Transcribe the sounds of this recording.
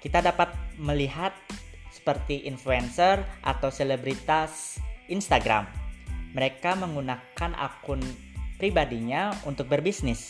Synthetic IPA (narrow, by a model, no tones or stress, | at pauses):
kit̪adapat̪̚məliɦat̪̚ | sə̥pərt̪iʔinfluɛnsərʔa̰t̪awselebɾit̪asinst̪aɡɾa̰mːəɾekaməŋunakanʔa̰kʊn | pɾibadiɲaunt̪ʊk̚bərbisnɪs